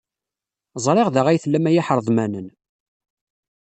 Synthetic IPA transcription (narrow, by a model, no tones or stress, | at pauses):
zˤɾˤeʁðəʁæjθəlːæmæjaħəɾˤðˤmænən